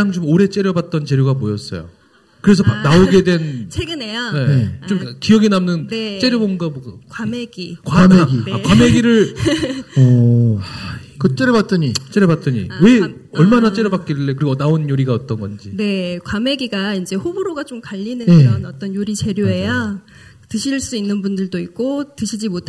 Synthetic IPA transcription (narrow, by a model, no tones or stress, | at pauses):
aŋt͡ɕomoɾe̞t͡ɕ͈e̞ɾjʌbat̚t͈ʌnt͡ɕe̞ɾjoɡamojʌs͈ʌ̰jo̰ | kɯɾe̞s̬ʰʌpak̚naoɡe̞dwe̞nt͡ɕʰeɡɯnejane̞net͡ɕomkkijʌɡinamnɯnt͡ɕ͈eɾjʌbonɡaboɡʌkwameɡikwameɡiakwameɡiɾɯɭ | kɯt͡ɕ͈eɾebat͈ɯɲit͡ɕ͈eɾebat͈ɯɲḭwe̞ʌɭmanat͡ɕ͈eɾʌbak͈eɭːekɯɾiɡʌnaonjoɾiɡaʌt͈ʌnɡʌnd͡ʑine̞kwame̞ɡiɡaind͡ʑe̞ɸoboɾoɡat͡ɕomkaʎːinɯnɾʌnʌt͈ʌnjoɾit͡ɕe̞ɾjoe̞ja | tɯɕʰiɭs͈uinːɯnbundɯɭdoik̚k͈otɯɕʰid͡ʑimotʰ